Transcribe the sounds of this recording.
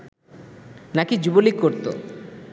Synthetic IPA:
nakid͡ʑubolikkːoɾt̪o̰

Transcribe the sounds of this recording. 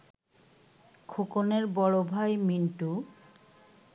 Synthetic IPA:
kʰokoneɾbɔɭobʱajminʈu

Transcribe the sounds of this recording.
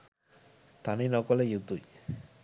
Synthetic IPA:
t̪aninɔkɔlejut̪uj

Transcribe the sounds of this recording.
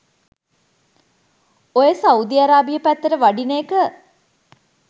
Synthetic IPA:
ojesaud̪iaɾaːbijəpæt̪ːəɾəʋaɖineːkə

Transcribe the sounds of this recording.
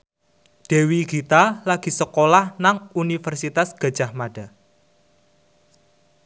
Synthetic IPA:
ɖ̥e̤wiɡ̥it̪alaɡ̥i̤səkolahnaŋunifərsit̪asɡ̥a̤d̥d͡ʒ̥a̤hmaɖ̥a̤

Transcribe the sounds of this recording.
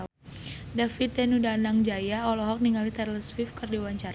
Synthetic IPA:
dafit̪̚ɛnudanaŋd͡ʒajaɔlɔɦɔk̚niŋalit̪ɛrləswifkərdiwaɲt͡ʃar

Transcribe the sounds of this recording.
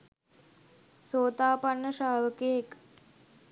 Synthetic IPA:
soːt̪aːpanːəʃaːʋəkeek

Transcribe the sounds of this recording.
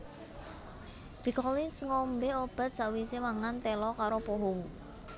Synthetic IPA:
b̥ikɔlinsŋombeob̥ä̤t̪̚sawisemaŋant̪ɛlɔkaɾopoɦʊŋ

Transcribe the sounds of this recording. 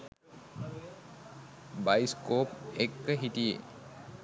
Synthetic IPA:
bajskop̚ekːəɦitijḛ

